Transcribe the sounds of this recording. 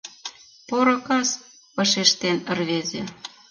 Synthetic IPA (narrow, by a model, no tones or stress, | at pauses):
poɾŏkɑs | pɑʃeʃt̪enə̆rβezĕ